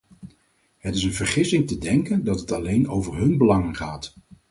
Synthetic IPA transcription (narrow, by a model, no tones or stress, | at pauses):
ɦətɪsənvəɹχɪsɪŋtədɛŋkəndɑtɦətɑlejnowvəɹɦɵnbəlɑŋənχaːt